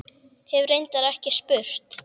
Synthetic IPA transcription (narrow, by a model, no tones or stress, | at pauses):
hɛvrejnt̪aɾɛhcɪspʏr̥t̪